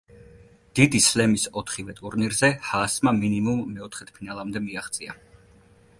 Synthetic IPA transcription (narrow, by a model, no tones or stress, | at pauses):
d̪̥id̪islɛmisɔt̪ʰχivɛt̪ʼuɾniɾzɛhasmaminimumːɛɔt̪ʰχɛt̪ʰpʰinalˠamd̪ɛmiaχt̪sʼia